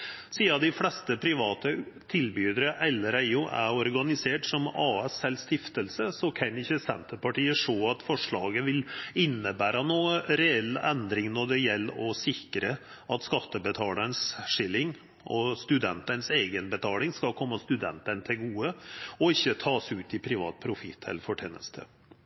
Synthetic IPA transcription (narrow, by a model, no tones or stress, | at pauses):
siːɑd̪ɪflɛst̪əpʰɾɪʋɑːt̪ə | t̪ʰɪlbyːd̪əɾəʔɛlːəɾæɪʊʔæ̰ɔɾɡɑnɪseːʈsɔmɑːɛsɛlst̪ɪft̪əlsəsɔkʰɑnɪçːəsɛ̰nt̪əɾpɑʈiːəʂoːɑt̪fɔʂɭɑːɡəʋɪlɪnːəbæːɾɑnuːəɾɛɛlːɛnd̪ɾɪŋnɔɖɛjɛlːɔsɪkɾə | ɑt̪skɑt̪ːəbət̪ʰɑːlənsʂɪlːɪŋ | ʔɔst̪ʉd̪ɛnt̪ənseːɡənbət̪ʰɑːlɪŋskɑlkʰɔmːəst̪ʉd̪ɛ̰nt̪ənt̪ʰɪlɡuːəɔɪçːət̪ʰɑːsʉːt̪ɪpʰɾɪʋɑ̰ːt̪̚pʰɾʊfɪ̰t̪ʰːɛ̰ləɾfɔʈʰḛːnə̰st̪ʰə̰